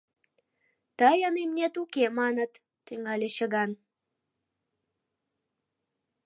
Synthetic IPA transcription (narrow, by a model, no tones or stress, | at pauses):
t̪əjənemnet̪ukemɑnət̪ːyŋɑlʲeɕə̆ɣɑn